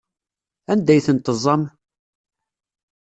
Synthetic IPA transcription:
ænd̪æjθənt̪əzˤɑm

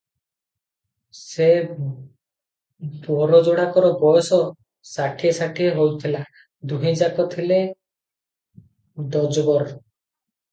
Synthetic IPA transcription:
se | bɔɾɔd͡ʒoɽakɔɾɔbɔjɔsɔ | saʈʰiesaʈʰieɦowt̪ʰila | d̪uɦĩd͡ʒakɔt̪ʰile | d̪ɔd͡ʒɔbɔɾɔ

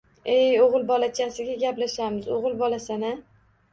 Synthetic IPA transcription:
ejoʁɨlˠbɒlat͡ʃʰasɪɡʲaɡʲaplaʃamɪzoʁɨlˠbɒlasana

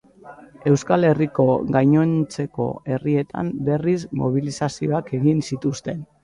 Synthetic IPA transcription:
e̞wskale̞riko̞ɣajɲo̞nt͡se̞ko̞̰e̞rie̞t̪a̰mbe̞rizmo̞̰β̞ilisasio̞ake̞ɣinsit̪ust̪e̞n

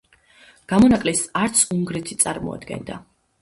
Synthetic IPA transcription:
ɡ̥amɔnakʼlisaɾt̪sʰuŋɡɾɛt̪ʰi̥t̪sʼaɾmɔ̰a̰d̪̥ɡɛ̰nd̪a̰

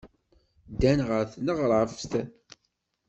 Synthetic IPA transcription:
d̪ænʁəɾθnəʁɾˤfst̪æ

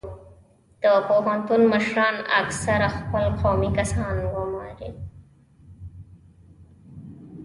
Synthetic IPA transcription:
d̪̥əpoɦant̪unməʃɾɑna̰ksaɾaxpəlqʰomikasɑnɡʊmɑ̰ɾe

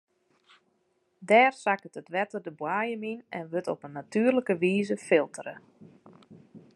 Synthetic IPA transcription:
dɛːrsakətətʋɛtərdəbwaːjəminɛ̰nʋøtɔpənːatyːərləkəʋiːzəfɪlˠtʰərə

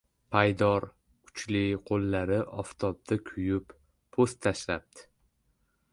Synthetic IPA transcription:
pʰajd̪ɒɾ | kʰʊ̥t͡ʃlɪqʰolːaɾɪʔɒft̪ʰɒb̚d̪̥akʲʰʊjʊpːʰ | ost̪ʰːaʃlap̚d̪ɪ̥

